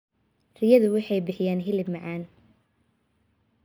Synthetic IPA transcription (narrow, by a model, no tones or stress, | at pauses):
rɪjɐðʊwɪħɑjbɪħɪjaːnɦɪlɪbmɑʕɑːn